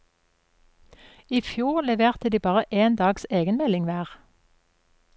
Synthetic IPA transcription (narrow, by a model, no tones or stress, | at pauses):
iːfjuːʁlɛʋeːʁt̪əd̪iːbɑːʁəʔeːnd̪ɑːɡseːɡənmɛlɪŋʋæːʁ